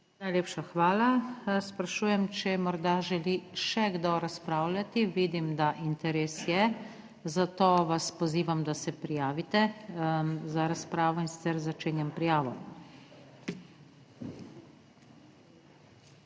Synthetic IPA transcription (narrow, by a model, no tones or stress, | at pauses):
najlʲeːpʃaxʋaːlaspɾaʃuːjɛmt͡ʃɛmɔɾd̪aʒɛliʃɛɡd̪ɔɾaspɾaːwlʲjʲat̪iʋiːd̪imd̪aʔint̪ɛɾeːsjɛ | zat̪oːʋaspɔziːʋamd̪asɛpɾijaːʋit̪ɛ | zaɾaspɾaːʋɔinsi̥t̪sɛɾzat͡ʃeːnjɛmpɾijaːʋɔ